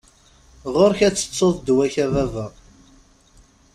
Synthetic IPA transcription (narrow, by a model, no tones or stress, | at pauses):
ʁoɾçæt͡sːə̥t͡sːoðˤd̪wæçævævæ